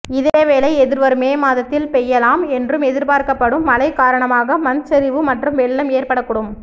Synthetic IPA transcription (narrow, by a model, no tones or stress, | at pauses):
ɪðeːʋeːlɐɪɛðɪɾʋɐɾɯmeːmaːðɐt̪ːɪlpɛjːɐlaːmɛndrɯmɛðɪɾpaːɾkɐpːɐɽɯmːɐlɐɪkaːɾɐɳɐmaːɣɐmɐnsɐɾɪʋɯmɐʈrɯmʋɛɭːɐmeːɾpɐɽɐkːʊːɽɯm